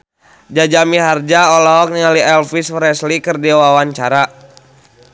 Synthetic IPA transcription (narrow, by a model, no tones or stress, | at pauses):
d͡ʒad͡ʒamiɦard͡ʒaɔlɔɦɔk̚niŋaliɛlfisfɾɛslikɨrdiwawaɲt͡ʃaɾa